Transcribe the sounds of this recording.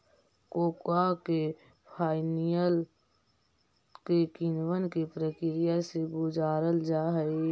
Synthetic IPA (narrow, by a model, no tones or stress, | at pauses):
koːkake | pʰaːɪnijəl | kekɪnwənkipɾəkɪɾɪjaseɡʊd͡ʒaːɾəld͡ʒaːɦəe